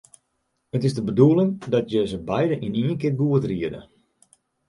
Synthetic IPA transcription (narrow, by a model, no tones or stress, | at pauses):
ətɪzdəbəduəlˠɪŋdɔtjəzəbɛjdəʔiniːnkɪɡuətriədə̰